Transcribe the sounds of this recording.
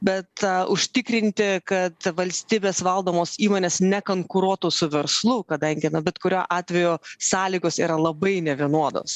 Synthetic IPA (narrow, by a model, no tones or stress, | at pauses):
bʲɛt̪ʊʃʲt̪ʲɪkɾʲɪnʲt̪ʲɪkɐt̪ʋɐlʲsʲt̪ʲiːbʲeːsʋɐlˠd̪oːmoːsiːmoːnʲeːsnʲɛkoŋkʊɾuɔt̪uːsʊʋʲɛɾslˠʊkɐd̪ɐŋʲɡʲɪnʊbʲɛt̪kʊɾʲoːʔɑːt̪ʲʋʲɛjoːsɑːlʲiɡoːsiːɾɐlˠɐbɐɪnʲɛʋʲiɛnuɔd̪o̰ːs